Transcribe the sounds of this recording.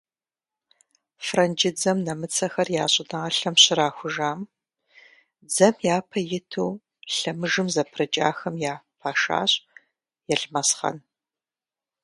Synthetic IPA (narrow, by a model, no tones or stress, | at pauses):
frɐnd͡ʒɪd͡zɐmnɐmɨt͡sʰɐxɐrjaːɕʼɪnɐʁɐɬɐmɕɪɾaːxʷʊʒaːm | d͡zɐmjaːpʰɐjɪtʰuː | ɬɐmɨʐɨmzɐpʰrɨt͡ʃʼa̰ːxɐmjaːpʰaːʃa̰ːɕʼ | jɛɬmɐsχɐ̰n